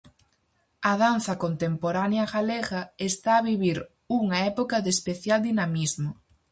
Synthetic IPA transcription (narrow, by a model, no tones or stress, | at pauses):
ɐðan̟θɐkont̪empoɾanjaɣaleɣɐest̪aːβiβiɾ | uŋɐɛpokɐðespeθjald̪inamizmo